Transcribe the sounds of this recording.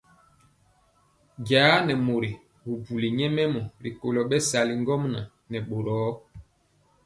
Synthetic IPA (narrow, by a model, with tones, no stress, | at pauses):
ɟaː˨˦nɛ˨mo˨ɾi˨ | hu˨bu˨li˨ɲɛ˦mɛ˦mɔ˨ɾḭ˨ko˨lɔ˨ɓɛ˦sa˨li˨ŋɡɔ˦mna˨ | nɛ˨ɓo˨ɾɔː˨˦